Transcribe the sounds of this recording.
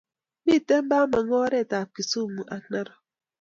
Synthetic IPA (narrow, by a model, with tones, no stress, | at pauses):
mi˦˨te˦m̩˦ba˦ma˨ŋɔ˦ɾe˦˨ta˨ki˨su˦˨mu˨ʔa˨na˦ɾɔ˨